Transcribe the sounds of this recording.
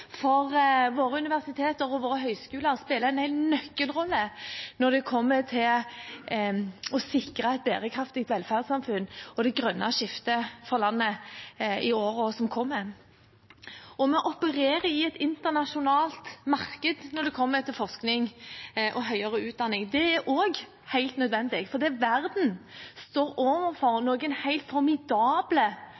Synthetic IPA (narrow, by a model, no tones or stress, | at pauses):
fɔʁʋoːɾəʉnɪʋæʁsɪt̪ʰeːt̪əɾɔʋoːɾəɦœʏskʉːləɾspeːləɛnɛɪlnœkːəlʁɔlːənɔʁd̪ɛkʰɔmːət̪ʰɪl | ɔsɪkɾɑɛt̪̚bæ̰ːʁəkʰɾɑft̪ɪk̚t̪ʋɛlfæʁd̪sɑmfʉnːɔd̪ɛɡʁœnːɑʃɪft̪əfɔʁlɑnːə | ɪoːɾɔsɔmkʰɔmːə | ɔmɛʔɔpəɾeːɾəɪɛt̪ɪnt̪ənɑʂʊnɑːlt̪mɑʁkəd̪nɔɾd̪ɛkʰɔmːət̪ʰɪlfɔsknɪŋʔɔɦœʏɑʁəʉːt̪̚d̪ɑnːɪŋd̪ɛæɾʔoːɡ | hæɪlt̪nœd̪ʋɛnd̪ɪɡfɔʁd̪ɛʋæʁd̪n̩st̪oːɾoːʋəfɔɾnoːɡənhæɪlt̪fɔɾmɪd̪ɑːblə